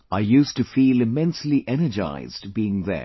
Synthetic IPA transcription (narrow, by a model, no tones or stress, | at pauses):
aɪjʉˑstɨfiːlˠɨmɛ̃nsliʔɛnəd͡ʒa̰ɪz̥dbiɪ̃ŋðə̰